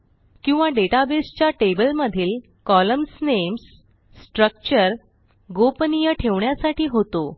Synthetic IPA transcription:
kĩw̃ʋaɖeʈabest͡ɕjaʈebəlməd̪ʱiːl | kɔləmsnemsː | ʈɾək̚t͡ɕəɾ | ɡopnijəʈʰeʋɳjasaʈiːɦot̪o

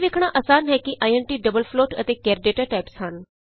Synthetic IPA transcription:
ʋeːkʰɽ̃aːʔəsaːnɦɛːkɪʔaːiɛːnʈiːɖəbəlpʰloːʈə̰t̪eːkɛːɾɖeːʈaʈaːpshən

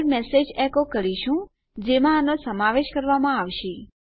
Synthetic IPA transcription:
ɾmɛsed͡ʒɛkokəɾiʃũ | d͡ʒemãːnosəmaʋeʃkəɾʋamãaʋʃe

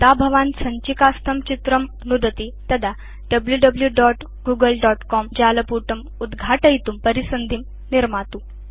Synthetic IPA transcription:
t̪abʱəʋãnsəɲt͡ɕikast̪ʰəmt͡ɕit̪ɾəm | nud̪ət̪it̪ɐd̪a | ɖəbljuɖəbljuɖɔʈ | ɡuːɡəlɖɔʈkɔmd͡ʑaləpuʈəm | ud̪ɡʱaʈəjt̪umpəɾisənd̪ʱim | niɾmat̪u

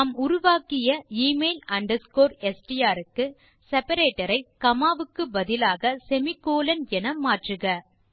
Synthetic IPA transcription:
ɐmʊɾʊʋaːkɪjɐiːmeːlɐɳɖɐskoːɾɛsʈɪjaːɾɯkːɯ | sɛpɐɾeːʈːɐɾɐɪkɐmaːʋɯkːɯbɐðɪlaːɣɐsɛmɪkːoːlɐnɛnɐmaːʈrɯɣɐ

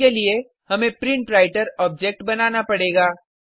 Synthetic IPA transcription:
elie | hɐmẽpɾɪ̃ɳʈɾaːɪʈəɾɔːb̚d͡ʒek̚ʈbɐnaːnapɐɽeːɡaː

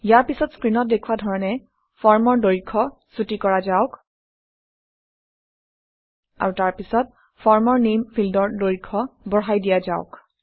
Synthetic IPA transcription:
jaɹpisɔtskɹinɔt̚dekʰuwadʱɔɹɔnɛ | fʰɔɹmɔɹdoɹikʰːɔsutikɔɹazaʊk | a̰ɹutaɹpisɔt̚ | fʰɔɹmɔɹnemfʰildɔɹdoɹikʰːɔbɔɦajdijazaʊk

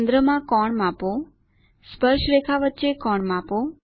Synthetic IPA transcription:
nd̪ɾəmãkɔɳmãpo | spəɾʃɾekʰaʋətːʃekɔɳmãpo

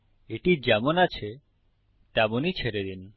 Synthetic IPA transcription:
eʈid͡ʑɛmonat͡ɕʰe | t̪ɛmonit͡ɕʰeɾed̪in

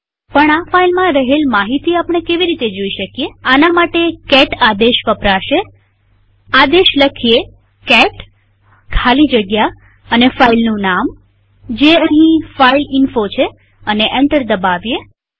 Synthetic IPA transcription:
pəɳafailmãɾəɦelmaɦit̪iapɳ̃ekeʋiɾit̪ed͡ʒoiʃəkjeanamaʈekɛʈad̪eʃʋəpɾaʃe | ad̪eʃləkʰie | kɛʈ | kʰalid͡ʒəɡja | ənefailnũnam | d͡ʒeəɦĩfailɪnfot͡ʃʰe | əneʔɛɳʈəɾd̪əbaʋje

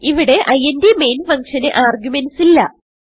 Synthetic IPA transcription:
iʋiɽe̞ʔɐjɐndeme̞ːnfɐŋkʂɐnɨʔaːrɡjumensilːɐ

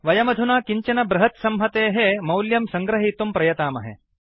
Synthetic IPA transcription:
ʋɐjɐmɐd̪ʱunaːkiɲt͡ʃɐnɐbɾɐɦɐt̪sɐmɦɐt̪eːɦemɐwljɐmsɐ̃ŋɡɾɐɦiːt̪umpɾɐjɐt̪aːmɐ̰ɦḛ

